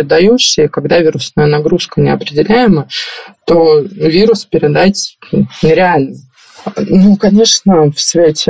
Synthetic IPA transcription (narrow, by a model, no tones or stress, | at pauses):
ɪd̪ɐjuɕɪjəkɐɡd̪avʲiɾʊsnəjənɐɡɾuskənʲɪɐpɾʲɪdʲɪlʲæjɪmət̪ovʲiɾʊspʲɪɾʲɪd̪atʲnʲɪɾʲɪalʲnə | nukɐnʲe̞ʂnəfsvʲetʲ